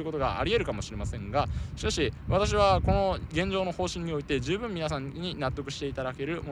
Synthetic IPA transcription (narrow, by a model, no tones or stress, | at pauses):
ɯ̟ko̞t̪o̞ɡa̰ʔa̰ɾʲie̞ɾɯ̟kamo̞ɕiɾe̞masẽ̞ŋɡaɕi̥kaɕiβat̪aɕ̬iβako̞no̞ɡẽ̞ɲ̟d͡ʑo̞ːno̞ho̞ːɕĩɲ̟ːio̞it̪e̞ʑɨːbɯ̟̃mːʲinas̬ãɲɲ̟inat̪ːo̞kɯ̟ɕi̥t̪e̞it̪ad̪ake̞ɾɯ̟mo